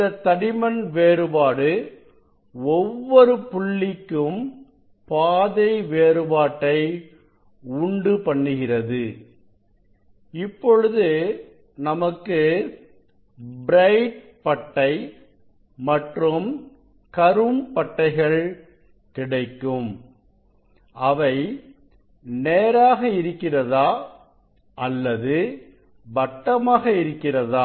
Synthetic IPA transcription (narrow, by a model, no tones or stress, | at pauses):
ɐt̪ːɐɽɪmɐnʋeːɾɯbaːɽɯ | ɔʋːɔɾɯpʊɭːɪkːɯm | paːðɐɪʋeːɾɯbaːʈːɐɪ | ʊɳɖɯpɐɳːɯɣɪrɐðɯ | ɪpːɔɻɯðɯ | nɐmɐkːɯ | bɾɐɪʈ̚ | pɐʈːɐɪ | mɐʈrɯm | kɐɾɯmpɐʈːɐɪɣɐɭ | kɪɽɐɪkːɯm | ʔɐʋɐɪ | neːɾaːɣɐɪɾɯkːɪrɐðaː | ɐlːɐðɯ | bɐʈːɐmaːɣɐɪɾɯkːɪrɐðaː